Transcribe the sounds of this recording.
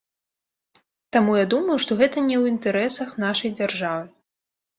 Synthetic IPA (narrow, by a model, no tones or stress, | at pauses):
t̪amujad̪umɐjuʂt̪ɔɣɛt̪ɐnʲɛwint̪ɛɾɛsɐxnaʂɐjd͡zʲarʐavɨ